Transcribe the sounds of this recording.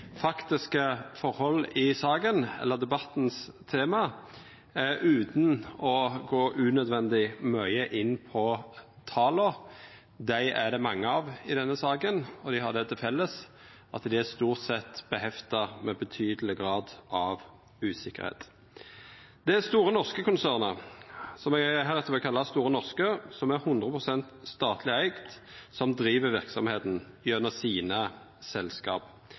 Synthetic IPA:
fɑkt̪ɪskəfɔɾhɔlːɪsɑːɡənɛ̰lːəd̪ɛbɑt̪n̩st̪ʰeːmɑ | æɾʉːt̪nɔɡoːʔʉːnœd̪ʋɛnd̪ɪmœʏəʔɪnːpʰɔt̪ʰɑːlɔ | d̪æɪʔæd̪ɛmɑŋːəɑːʋɪd̪ɛnːəsɑːɡənɔd̪ɪhɑd̪ɛt̪ʰɪlfɛlːəs | ʔɑt̪d̪ɪæst̪uːʁt̪sɛt̪ːb̥əhɛft̪əʁmɛbət̪ʰyːd̪əl̩ɪɡʁɑːd̪ɑʋ | ʉːsɪkːə̰ɾhḛːt̪ | d̪ɛæst̪uːɾənɔʁskəkʊnsæːʁnəsɔmɛɡɦæːɾɛt̪əʋɛlkʰɑlːɑst̪uːɾənɔʁskəsɔmæʁhʊnd̪ʁəpʰʁʊsɛnt̪st̪ɑːt̪ʰlɪæɪɡt̪ | sɔmd̪ɾiːʋəʋɪʁksɔmheːt̪n̩ | œnːəsiːnə | sɛlskɑ̰ːp

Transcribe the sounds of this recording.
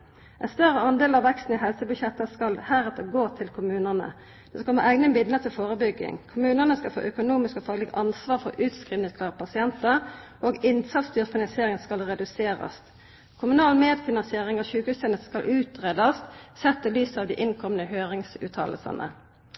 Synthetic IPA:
ʔɛnst̪œʁəɑnd̪eːlɑʋʋɛkst̪n̩ɪɦɛlsəbʉçjɛt̪ːəskɑlhæːʁət̪̚ɛɡoːt̪ʰɪlkʰʊmʉːnənə̰ | d̪̥ɛsklməʔɛɡnəmɪd̪ənət̪ʰɪlfoːʁəbʏɡːɪ̰ŋkʰʊmʉːnənəskɑlfo̰ːʔœkʊnuːmɪskɔfɑːɡləɡɑnsʋɑːʁfɔʁʉːt̪skʁiːʋnɪsk̪ʰɑːʁpʰɑsɪɛnt̪əʁʔoːɡɪnt̪ʰɑlst̪yːʁfɪnɑnsɪeːʁɪŋənskɑlʁɛd̪ʉseːʁɑ̰st̪ | kʰʊmʉnɑːlmeːd̪fɪnɑnsɪeːʁɪŋɑçʉːkʉsənəskɑlʔʉːt̪ʁeːd̪ɑst̪sɛt̪ːəlyːsɑːʋd̪iːʔɪnkʰɔmənəhøːʁɪŋsʉ̰ːt̪ʰɑ̰ːlə̰sɑ̰nʔə̰

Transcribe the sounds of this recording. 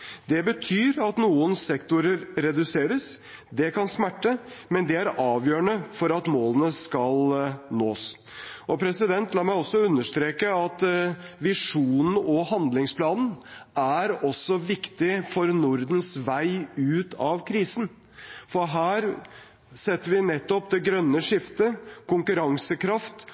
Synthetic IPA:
d̪ɛbət̪ʰyːɾɑt̪nuːənsɛkt̪ʊɾəɾɾɛd̪ʉseːɾəs | d̪ɛkɑnsmæʈːəmɛnd̪ɛæɾɑːʋjøːɾəɳəfɔɾɑt̪moːlənəskɑlnoːs | ʔɔpʰɾɛsɪd̪ɛnt̪ʰlɑːmæɪɔsːɔʉnːəʂt̪ɾeːkəɑt̪ʋɪʂuːnn̩ɔhɑnd̪lɪŋspʰlɑːnn̩æɾɔsːɔʋɪkt̪ɪfɔɾnʊɾd̪n̩sʋæɪʉːt̪ɑʋkʰɾiːsn̩ | fɔɾɦæːɾ | sɛt̪ːəɾʋɪnɛt̪ːɔpd̪ɛɡɾœnːəʂɪft̪əkʰʊŋkʉɾɑŋsəkʰɾɑft̪

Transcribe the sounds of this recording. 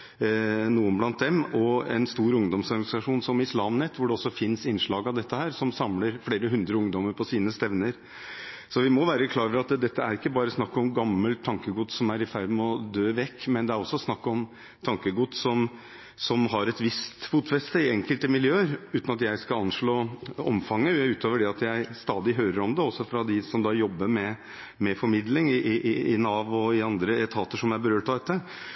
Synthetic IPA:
nuːənblɑnt̪̚d̪ɛmɔɛnst̪uːɾʊŋd̪ɔmsɔɾɡɑnɪsɑʂuːnsɔmɪslɑːmnɛt̪ʰːʋʊɖɛɔsːɔfɪnsɪnʂɭɑːɡɑʋd̪ɛt̪ːəhæːɾsɔmsɑmləɾfleːɾəɦʉnd̪ɾəʊŋd̪ɔməɾpʰɔsiːnəst̪ɛʋnəɾ | sɔʋɪmɔʋæːɾəkʰlɑːɾfəɾɑt̪d̪ɛt̪ːəæɾɪkːəbɑːɾəsnɑkːɔmɡɑmːəlt̪ʰːɑŋkəɡud̪sɔmæɾɪfæɾd̪mɛɔd̪øːʋɛkːmɛnd̪ɛæɾɔsːɔsnɑkːɔm | t̪ʰɑŋkəɡut̪ːsɔm | sɔmɦɑɾɛt̪ʋɪst̪fuːt̪fɛst̪əɪɛŋkəlt̪əmɪljøːəɾʉːt̪nɑt̪jæɪskɑɑnʂɭoːɔ̰mfɑŋːəʉːt̪oːʋəɖɛɑt̪jæɪst̪ɑːd̪ɪɦøːɾəɾɔmd̪ɛɔsːɔfɾɑd̪ɪsɔmd̪ɑːjɔbːəmɛ | mɛfɔɾmɪd̪lɪŋɪʔɪɪnɑːʋɔɪɑnd̪ɾəɛt̪ʰɑːt̪əʂɔmæɪbəɾøːʈʰɑd̪ɛt̪ːə

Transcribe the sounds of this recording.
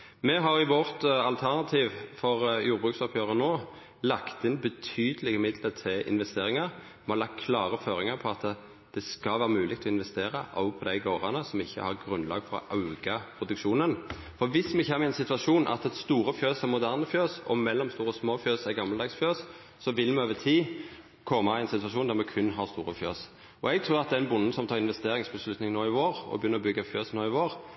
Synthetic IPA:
mɛɦɑɾɪʋɔʁt̪ɑlt̪ʰæʁnɑt̪ʰiːʋfɔʁjuːɾbʁʉːksɔpʰjøːʁənoː | lɑkt̪ɪnbət̪ʰyːd̪əlɪɡəmɪd̪lət̪ʰɪlʔɪ̰nʋɛst̪eːɾɪŋɑʁ | mɛhɑlɑk̪̚kʰlɑːʁəføːɾɪŋɑpʰɔɑt̪ | d̪̥ɛskɑlʋæːʁəmʉːlɪɡ̚t̪ʰɔɪnʋɛst̪eːʁɑʔɔ̰ʊpʰɔd̪æɪɡoːʁɑnəsɔmɪçːə̰hɑʁɡɾʉnlɑ̰ːɡfɔɾɔ̰ʔɑʉɡɑpʰʁʊd̪ʉkʃuːnən | fɔɾʋɪsmɛçɛmːɪɛnsɪt̪ʉɑʂuːnʔɑ̰t̪ɛst̪uːɾəfjøːsæɾmʊd̪æʁnəfjøːsɔ̰mɛlːɔmst̪uːɾɔsmoːfjøːsæɡɑmːɑld̪ɑːɡsfjøːsː | ɔʋɪlmɛoːʋət̪ʰiː | kʰɔmːɑɪɛnsɪt̪ʉʋɑʂuːnd̪æɾmɛkʰʉnːɦɑɾst̪uːɾəfjø̰ːs | ɔɛɡ̚t̪ʰɾʉːɾɑt̪̚d̪ɛɛnbʊnːn̩sɔmt̪ʰɑːʁɪnʋɛst̪eːɾɪŋsbəslʉt̪nɪŋnoːɪʋoːɾɔ̰bəjʏnːəɾɔbʏɡːɑfjøːsnoːɪʋoːɾ

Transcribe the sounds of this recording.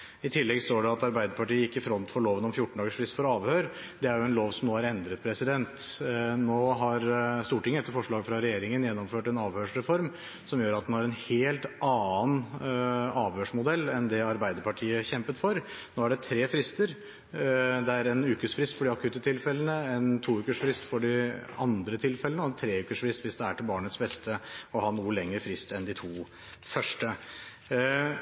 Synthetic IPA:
ɪt̪ʰɪlːɛɡst̪oːɖɛɑt̪ɑɾbæɪd̪əɾpɑʈiːəjɪkːəɪfɾɔnt̪fɔɭoːʋənɔmfjʊʈːɳ̩d̪ɑːɡəʂfɾɪst̪fɔɾɑːʋhøːɾ | d̪ɛæɾjʊɛnloːʋsɔmnoːhɑɾɛnd̪ɾət̪̚pʰɾɛsɪd̪ɛnt̪noːɦɑɾst̪uːʈɪŋːəɛt̪ːəɾfɔʂɭɑːɡfɾɑɾɛjeːɾɪŋənjɛnːɔmføːʈɛnɑːʋhøːʂɾɛfɔɾm | sɔmjøːɾɑt̪̚d̪ɛnhɑɾɛnheːlt̪ʔɑːn | ɑːʋhøːʂmʊd̪ɛlːɛnd̪ɛɑɾbæɪd̪əɾpɑʈʰiːəçɛmpət̪fɔɾ | noːæɖɛt̪ʰɾeːfɾɪst̪əɾ | d̪ɛæɾɛnʉːkəsfɾɪst̪fɔɖɪɑkʰʉːt̪ət̪ʰɪlfɛlənəɛnt̪ʰuːʉːkəʂfɾɪst̪fɔɖɪɑ̰nd̪ɾət̪ʰɪlfɛlənəɛnt̪ʰɾeːʉːkəʂfɾɪst̪ʋɪsd̪ɛæʈʰɪlbɑːɳət̪sbɛst̪ʰəɔhɑnuːəlɛŋːəɾfɾɪst̪ɛnd̪ɪt̪ʰuː | fœʂʈə

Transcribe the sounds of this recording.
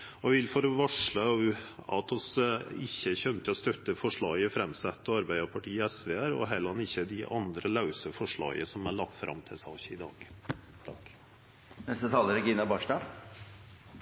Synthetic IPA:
ɔɛʋɪlfoːɾɔʋɑʂɭəɑ̰t̪ʰɔsɪçːəçœnt̪ʰɪlɔst̪œt̪ːəfɔʂɭɑːɡəfɾɛmsɛt̪ːɔɑɾbæɪd̪əɾpʰɑʈʰiːɛsʋeːæɾɔ̰ɦɛləɑnɪçːəd̪ɪʔɑnd̪ɾəlɑʉsəfɔʂɭɑ̰ːɡə̰sɔmæɭɑɡ̚t̪fɾʔɑ̰mt̪ʰɪsɑçəɪd̪ɑ̰ːɡ̥ | t̪ʰɑk | nɛst̪ət̪ʰɑːləɾɡɪnɑbɑʂʈɑ

